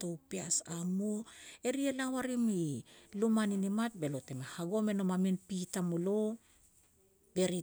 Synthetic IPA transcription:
towpeasamoe̞ɾielawaɾimilumaninimat̚be̞lo̞te̞mehaɡo̞me̞no̞maminpitamolo | be̞ɾi

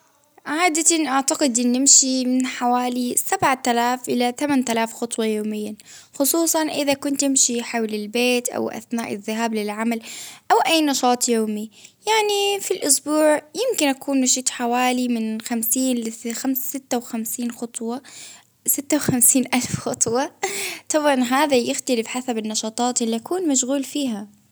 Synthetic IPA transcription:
ʕaːd̪at̪anʔaʕt̪aqɪd̪ʔɪnːɪmʃimɪnħawaːlisabʕat̪alaːfʔɪlat̪amant̪alaːfxʊt̪ˤwɑjoːmɪjːa | xʊsˤuːsˤɑnʔɪðakʊnt̪ːɪmʃiħawlɪlbeːt̪ʔa̰wʔa̰θnaːʔɪðːɪɦaːblɪlʕamalʔawʔajːnɑʃɑːt̪ˤjoːmijaʕnifilʔʊsbuːʕjɪmkɪnʔakʰuːnmaʃiːt̪ˤħawaːlimɪnxamsiːnxamsɪt̪ːawxamsiːnxʊt̪ˤwɑ | sɪt̪ːawxamsiːnʔalfxʊt̪ˤwɑt̪ˤɑbʕɑnɦaːðajɪxt̪alɪfħasabɪnːɑʃɑːt̪ˤɑːt̪ʔɪlːiʔakuːnmaʃɣuːlfiːɦa

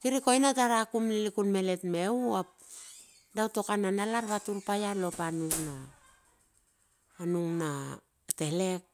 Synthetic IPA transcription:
kiɾiko̞jnataɾakumlilikunme̞le̞tme̞uap̚ | dawto̞kananalaɾβatuɾpajalo̞panuŋna | nuŋna | te̞le̞k̚

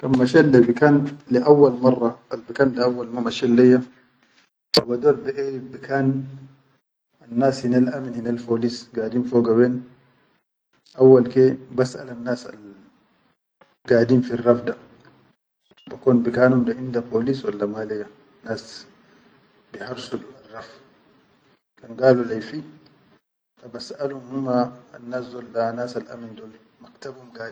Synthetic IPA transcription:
kammːaʃɛlːebikaːnliʔawːalmɑrˤːɑʔalbikaːndaawːalmamaʃɛlːɛjːa | tabadɔɾbɛʔɛbikʰaːn | anːaːshinalʔaminhinalfoːlisɡaːdiːmfoːɡawɛːn | ʔawːalkebasʔa̰lanːaːsa̰l | ɡaːdimfirːafda | bakɔnbikaːnumdɔindapolisɔlːamalɛɡa | nas | bihaɾsudualːaf | ɡanɡaːlɔlajfi | ɗabasʔalumhuma̰ːnːasɔldanaːsala̰mindɔl | maktabumɡa

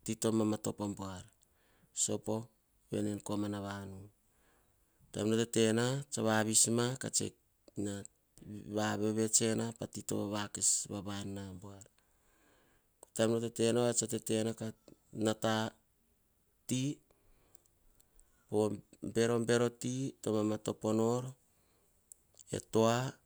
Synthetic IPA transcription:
tito̞mamato̞pomboaɾ | so̞po̞ | βe̞̰nenkomanaβanu | ta̰mnotete̞nat͡ʃaβaβismaka̰t͡ʃḛk | na | βaβeβe̞t͡ʃe̞napatito̞̰βaβakesβaβanːamboaɾ | kotamnotete̞noet͡ʃatete̞nakanata | ti | pombe̞ɾo̞mbe̞ɾo̞titomamato̞po̞no̞ɾ | e̞̰to̞a

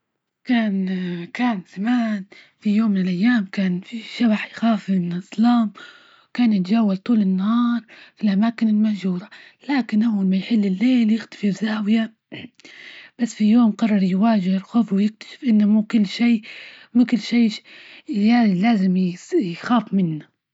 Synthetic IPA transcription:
kaːnkaːnzamaːn | fijoːmːɪnɪlʔajːaːmkaːnfiʃabaħjxaːfɪnʔɨsˤlɑːm | wkaːnjɪt̪ad͡ʒaːwːalt̪ˤuːlɪnːahɑːɾˤfilʔamaːkɪnɪlmaʒuːɾalaːkɪnʔawːalmajħɪlːɪlːeːljɪxt̪ḁfɪɾzaːwɪja | b̥asːfijoːmqɑrˤːɑɾˤjwaːʒɪhɾxoːfwɪjɪk̚t̪ḁʃɪ̥fʔɪnːamuːkʊlːʃiːmʊkʊlːʃiː | janilaːzɪmjxaːfmɪnːa

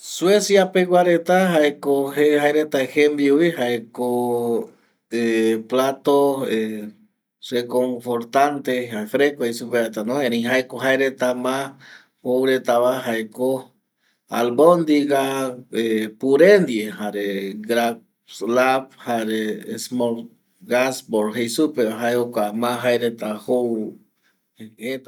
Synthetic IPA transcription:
swesjapewaɾet̪aɦaekohehaeɾet̪aehemb̪iuihaeko | eplat̪oe | rekoɱfoɾt̪ant̪ehaefɾekoisupeɾet̪anõẽɾẽj̃ɦaekoɦaeɾet̪amã | howɾet̪aβaɦaeko | a̰lbond̪iɡaepuɾend̪jehaɾeɡɾa | slaphaɾesmoɾ | ɡasboɾɦejsupeaɦaeokʷamãɦaeɾet̪ahow | e

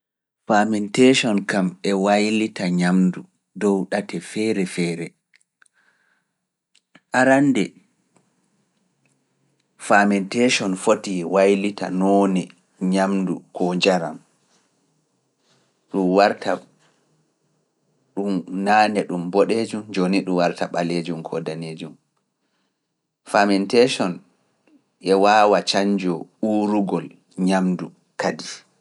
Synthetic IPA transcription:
famɛnteʃɔnkamɛwajlitaɲamdu | dɔwɗatʰɛfɛɾɛfɛːɾɛ | ʔaɾandɛ | famɛnteʃɔnfotiwajlita̰nɔːnɛ | ɲamdukʰɔd͡ʒaɾa̰m | ɗumwaɾtʰa | ɗumnaːnɛɗumbɔɗed͡ʒumd͡ʒoniɗumwaɾtaɓaled͡ʒumkʰɔ̰daneːd͡ʒum | famɛntɛʃɔn | ʔɛwaːwat͡ʃaɲd͡ʒɔuɾuɡɔl | ɲamdu | kadi

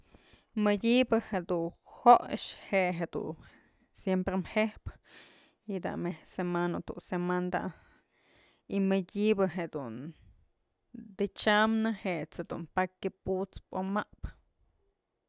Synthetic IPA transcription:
mɨdʲibɨhed̪uhoʔʂheʔɦed̪ṵ | sjempɾemhehp | jid̪a̰mesemanot̪uʔsemand̪a̰ | imɨdʲibɨɦed̪un | d̪ɨt͡ʃamnɨheʔt͡shed̪ṵnpakːɨput͡spomaʔp

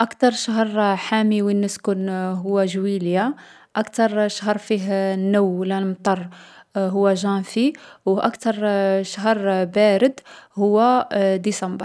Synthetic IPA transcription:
ʔækt̪ɑɾˤʃəɦəɾˤħamiwinːəskʊnɦʊwːæʒwilja | ʔækt̪ɑɾˤʃɦəɾˤfiɦnːuwlælmt̪ˤɑrˤɦʊwːæʒæfiwʔækt̪ɑɾˤʃəɦəɾˤbæɾəd̪hʊwːæd̪isɑmbəɾ

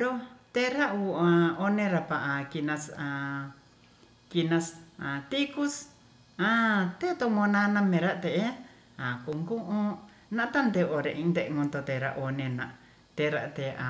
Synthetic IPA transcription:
ɾot̪eɾauaonẽɾapaʔakinãsa | kinãsat̪ikus | ãt̪et̪omõnãnãmẽɾat̪eʔe | akuŋɡõʔõ | nãʔt̪and̪eʔoɾeĩnd̪eŋõnt̪ot̪eɾa̰ʔonẽnã̰ | t̪eɾat̪ea

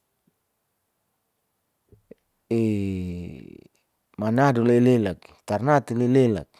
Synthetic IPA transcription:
e | manaduleilelak̚t̪arnat̪ilelela̰k̚

